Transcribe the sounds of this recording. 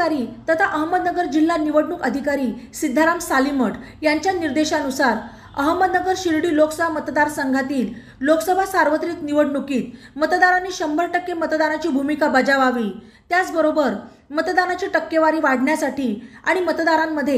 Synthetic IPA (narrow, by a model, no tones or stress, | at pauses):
aɾiːt̪ət̪ʰaʔəɦəmːəd̪nəɡəɾd͡ʑilːaniʋəɽɳuːkəd̪ʱikaɾiːsid̪ʱːaɾamsaliməʈ | jaɲt͡ɕjaniɾd̪eɕanusaɾ | əɦəmːəd̪nəɡəɾɕiɾɽiːloksəbʱamət̪d̪aɾsəŋɡʱat̪iːl | loksəbʱasaɾʋət̪ɾiːk̪niʋəɽɳukiːt̪̚ | mət̪d̪aɾanːiːɕəmbəɭʈəkːemət̪d̪anat͡ɕiːbʱumikabəd͡ʑaʋaʋiː | t̪jat͡sbəɾobəɾ | mət̪d̪anat͡ɕiːʈəkːeʋaɾiːʋaɽ̤ɳjasaʈiːa̰ɽ̃imət̪d̪aɾamːəd̪ʱːje